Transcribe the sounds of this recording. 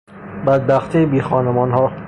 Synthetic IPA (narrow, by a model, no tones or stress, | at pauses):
bæd̪̚bæxt̪ʰiːbiːxɒːnemɒːnhɒː